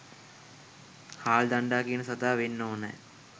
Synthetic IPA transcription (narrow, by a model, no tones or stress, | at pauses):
haːld̪aɳɖaːkiənəsɐt̪aːʋenːoːnɛ̰j